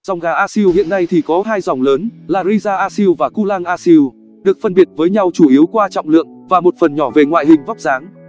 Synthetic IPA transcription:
z̥ɔ˨˩wŋ͡mɣaː˨˩ʔaː˧si˧whḭ˧˨ənːa˧jt̪ʰi˨˩kɔ˨˦ɦaː˧jzɔ˨˩wŋ͡mləː˨˦nlaː˨˩ɾi˧zaː˧ʔaː˧si˧wvaː˨˩ku˧laː˧ŋʔaː˧si˧w | ɗɨ˨˩ək̚fə˧nɓi˨˩ət̚vəː˨˦jɲa˧wt͡ɕu˧˩ʔi˨˦əwkwaː˧t͡ɕɔ̰˧˨wŋ͡mlɨ̰˧˨əŋvaː˨˩mo˨˩t̚fə˨˩nɲɔ˧˩ve˨˩ŋwa̰ː˧˨jɦï˨˩ŋ̟vɔ˦˥wk͡p̚zaː˨˦ŋ

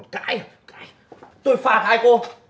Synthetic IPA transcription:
kaː˧˥j | kaː˧˥j | t̪o˧jfaː˨˩t̚haː˧jko˧

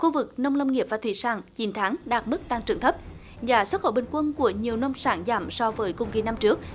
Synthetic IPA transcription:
xu˧vɨ˨˩k̚nə˧wŋ͡mnə˧wŋ͡mŋi˨˩əp̚vaː˨˩t̪ʰwḭ˧˩saː˧˩ŋt͡ɕi˨˦nt̪ʰaː˨˦ŋɗaː˨˩t̚mɨ˦˥k̚t̪aː˧ŋt͡ɕɨ˨˩ŋt̪ʰə˦˥p̚ | zaː˨˩swə˦˥t̚xo̰˧˩ɓï˨˩ŋ̟kwə˧nku˧˩əɲi˨˩əwnə˧wŋ͡msaː˧˩ŋzaː˧˩msɔ˧vəː˨˦jkʊ̰˧˨ŋ͡mki˧˩na˧mt͡ɕɨ˦˥ək̚

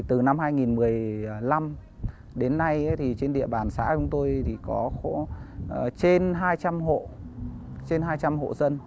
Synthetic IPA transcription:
t̪ɨ˨˩na˧mɦaː˧jŋi˨˩nmɨ˨˩əjla˧m | ɗe˨˦nːa˧ja˨˦t̪ʰi˨˩t͡ɕe˧nɗḭ˧˨əɓaː˨˩nsa̰ː˧˥t͡ɕʊ˨˦ŋ͡mt̪o˧jt̪ʰi˨˩kɔ˨˦xo̰˧˥˩ | t͡ɕe˧nɦaː˧jt͡ɕa˧mɦo̰˧˨ | t͡ɕe˧nɦaː˧jt͡ɕa˧mɦo̰˧˨zə˧n

